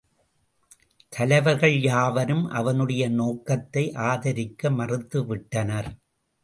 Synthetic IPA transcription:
t̪ʰɐlɐɪʋɐɾɣɐɭjaːʋɐnɯmʔɐ̰ʋɐnɯɽɐjɐnoːkɐt̪ːɐɪʔaːðɐɾɪkːɐmɐrɯt̪ːɯʋɪʈːɐnɐɾ

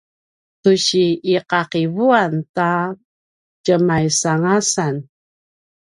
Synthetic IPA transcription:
tuɕiiqaqivuanta | cəmajsaŋasan

